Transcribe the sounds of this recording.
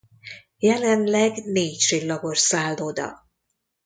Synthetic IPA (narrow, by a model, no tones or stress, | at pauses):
jɛlɛnlɛɡneːcʃilːɒborsaːld̪oːd̪ɒ̰